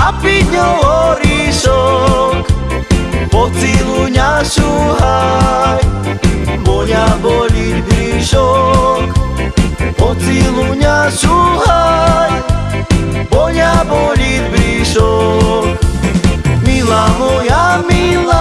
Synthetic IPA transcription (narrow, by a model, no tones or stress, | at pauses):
apiɲɔɔɾiʃɔk | ɔt͡siluɲaʃuɦaj | bɔɲabɔɾit̪bɾiʃɔk | pɔt͡siluɲaʃuɦaj | bɔɲabɔlit̪̚bɾiʃɔk | milamojamila